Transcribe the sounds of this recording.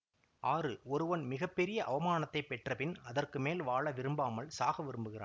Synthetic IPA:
ʔaːrɯɔɾɯʋɐnmɪɣɐpːɛɾɪjɐʔɐʋɐmaːnɐt̪ːɐɪpɛʈrɐpɪnɐðɐrkɯmeːlʋaːɭɐʋɪɾɯmbaːmɐɭsaːɣɐʋɪɾɯmbɯɣɪra̰ː

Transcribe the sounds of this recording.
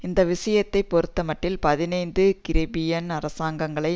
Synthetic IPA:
ɪnd̪ɐʋɪsɐjɐt̪ːɐɪpːɔɾɯt̪ːɐmɐʈːɪlpɐðɪnɐɪnd̪ɯkɪɾɐbɪjɐnɐɾɐsaːŋɡɐŋɡɐɭɐɪ

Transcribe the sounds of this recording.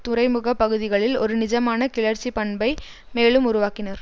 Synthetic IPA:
t̪ʊɾɐɪmʊɣɐpːɐɣɯðɪɣɐɭɪlɔɾɯnɪd͡ʒɐmaːnɐkɪɭɐɾt͡ʃːipɐɳbɐɪ | meːɭɯmʊɾʊʋaːkɪnɐɾ

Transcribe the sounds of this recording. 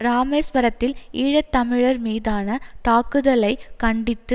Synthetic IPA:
ɾaːmeːsʋɐɾɐt̪ːɪliːɻɐt̪ːɐmɪɻɐɾmiːðaːnɐt̪aːkɯðɐlɐɪkɐɳɖɪt̪ːɯ

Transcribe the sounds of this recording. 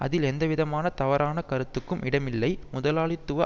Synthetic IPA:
ʔɐ̰ðɪlɛnd̪ɐʋɪðɐmaːnɐt̪ɐʋɐɾaːnɐkɐɾɯt̪ːɯkːɯmʔɪɽɐmɪlːɐɪmʊðɐlaːɭɪt̪ːɯʋɐ

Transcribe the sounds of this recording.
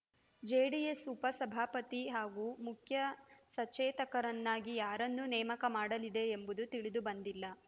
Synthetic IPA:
d͡ʒeːɽijesupɐsɐbʱaːpɐt̪iɦaːɡuːmukʰjɐsɐt͡ʃːɛːt̪ɐkɐɾɐnːaːɡijaːɾɐnːunɛːmɐkɐmaːɽɐlid̪e̞ːmbud̪ut̪iɭid̪ubɐnd̪ilːɐ

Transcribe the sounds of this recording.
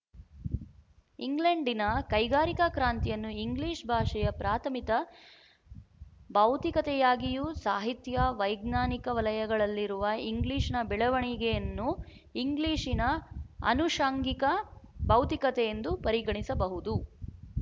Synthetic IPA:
iŋɡleɳɖinɐkɐjɡaːɾikɐkɾaːnt̪ijɐnːuiŋɡliːʂbʱaːʂɐjɐpɾaːt̪ʰɐmit̪ɐ | bɐwt̪ikɐt̪ɛjaːɡijusaːɦit̪jɐʋɐjɡnaːnikɐʋɐlɐjɐɡɐɭɐlːiɾuʋɐiŋɡliːʂɐnɐbɛɭɐʋɐɳiɡejɐnːu | iŋɡliːʂinɐɐ̰nuʂaːŋɡikɐbɐwt̪ikɐt̪ɛjend̪upɐɾiɡɐɳisɐbɐɦud̪u

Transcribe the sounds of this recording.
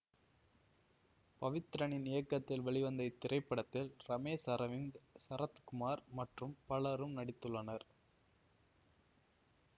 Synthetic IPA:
pɐʋɪt̪ɪɾɐɳɪnːɪjɐkːɐt̪ːɪlʋɐɭɪʋɐnd̪ɐɪt̪ːɪɾɐɪpːɐɽɐt̪ːɪlɾɐmeːsɐɾɐʋɪnsɐɾɐt̪kʊmaːɾmɐʈrɯmpɐɭɐɾɯmnɐɽɪt̪ːɯɭːɐnɐɾ

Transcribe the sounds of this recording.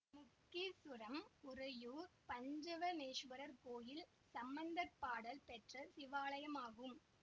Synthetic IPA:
mʊkːisʊɾɐmʊrɐjuːɾpɐɲd͡ʒɐʋɐmeːʂʋɐɾɐɾkoːjɪl | sɐmbɐnd̪ɐɾpːaːɽɐlpɛʈrɐsɪʋaːlɐjɐmaːɣɯm

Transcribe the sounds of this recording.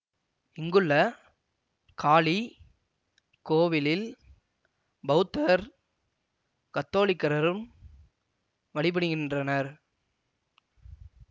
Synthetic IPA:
ɪŋɡɯɭːɐ | kʰaːɭi | koːʋɪlɪl | bɐʊt̪ːɐɾ | kɐt̪ːoːɭɪkːɐɾɐɾɯm | ʋɐɭɪp̬ɐɽɯɣɪndrɐnɐɾ

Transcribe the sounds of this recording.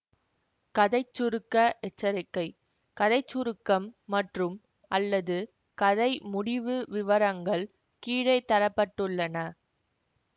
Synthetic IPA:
kɐðɐɪt͡ʃːʊɾɯkːɐʔɛt͡ʃːɐɾɪkːɐɪ | kɐðɐɪt͡ʃːʊɾɯkːɐmːɐʈrɯm | ʔɐlːɐðɯ | kɐðɐɪmʊɽɪʋɯʋɪʋɐɾɐŋɡɐɭ | kiːɻɐɪt̪ːɐɾɐpːɐʈːɯɭːɐnɐ

